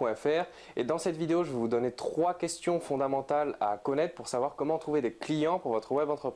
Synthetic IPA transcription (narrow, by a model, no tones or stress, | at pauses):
wɛ̃ɛfɛːʁ | ed̪ɑ̃sɛt̪vid̪eoʒəvəvud̪ɔnet̪χwakʲɛst̪jɔ̃fɔ̃d̪amɑ̃t̪ala̰kɔnɛt̪χəpuʁsavwaʁkɔmɑ̃t̪χuved̪eklijɑ̃puʁvɔt̪χəwɛbɑ̃t̪χəpχi